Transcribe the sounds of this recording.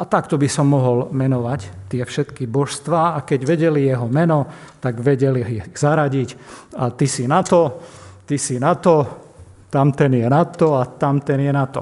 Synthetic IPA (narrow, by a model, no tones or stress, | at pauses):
ʔat̪akt̪ɔbisɔmːɔɦɔlmɛnɔʋact̪ɪɛfʃɛt̪kibɔʃst̪ʋaːakɛɟʋɛɟɛlijɛɦɔmɛnɔt̪aɡʋɛɟɛliiz̥aɾaɟicat̪isinat̪ɔt̪isinat̪ɔ | t̪amt̪ɛnjɛnat̪ːɔat̪amt̪ɛnjɛnat̪ɔ̰